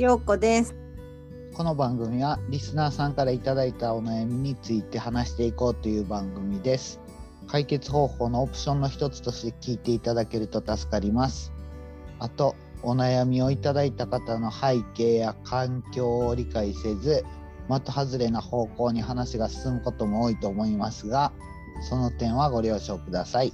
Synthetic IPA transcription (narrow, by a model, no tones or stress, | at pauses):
oːkod̪es | ko̞no̞bãŋɡɯ̟mʲiβaɾʲisɨnaːsãŋkaɾait̪ad̪ait̪ao̞najamʲiɲ̟it͡sɨit̪e̞hanaɕi̥t̪e̞iko̞ːt̪o̞jɯ̟ːbãŋɡɯ̟mʲid̪e̞sɨ̥ | kaike̞t͡sɨ̥ho̞ːho̞ːno̞ːpɯ̟̥ɕõ̞nːo̞çi̥t̪o̞t͡sɨ̥t̪o̞ɕi̥t̪e̞kʲiːt̪e̞it̪ad̪ake̞ɾɯ̟t̪o̞t̪asɨ̥kaɾʲimasɨ̥ | at̪o̞ː | najamʲio̞it̪ad̪ait̪akat̪ano̞haike̞ːjakʰãŋkʲo̞ːɾʲikaise̞zɨ | mat̪ohazɨɾe̞naho̞ːko̞ːɲ̟iɦanaɕiɡasɨ̥sɨmɯ̟ko̞t̪o̞mo̞oːit̪o̞ːmo̞imasɨɡa | so̞no̞t̪ẽ̞ɰ̃β̞aɡo̞ɾʲjo̞ːɕo̞ːkɯ̟d̪asai